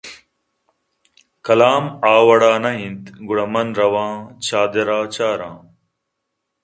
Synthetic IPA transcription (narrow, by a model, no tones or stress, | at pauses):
kɐlaːmaːwɐɽaːnɐɦĩnt̪ɡuɽɐmɐnɾɐwãːt͡ɕaːd̪eɾaːt͡ɕaːɾãː